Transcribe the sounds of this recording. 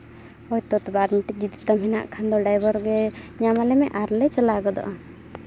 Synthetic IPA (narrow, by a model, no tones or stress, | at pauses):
ɔjt̪ɔt̪baɾmiʈid͡ʒid̪it̪amɦɛna̰ʔkʰand̪ɔɖajbɔɾɡɛɲamalɛmɛʔaɾlɛjt͡ʃəlaɡɔd̪ɔ̰ʔa